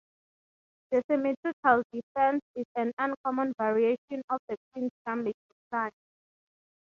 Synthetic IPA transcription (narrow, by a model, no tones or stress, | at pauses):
d̥əsɛmititʰaldifɛ̃nsisãnãnkʰɔmɔ̃nvaɹieʃɔ̃nɔfdəkʰĩnstãmid͡ʒtiplãɪ